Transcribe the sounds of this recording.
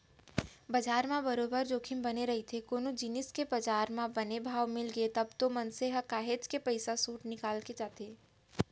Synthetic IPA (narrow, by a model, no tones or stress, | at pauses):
bɐd͡ʒaːɾmãbɐɾoːbəɾd͡ʒoːkʰɪmbɐneɾɐɦit̪ʰekoːnod͡ʒinɪskebɐd͡ʒaːɾmãbɐnebʱaːʋmɪlɡəet̪ɐbt̪omɐnseɦɐkaːɦet͡ʃkepɐɪsasuːʈnɪkaːlked͡ʒaːt̪eː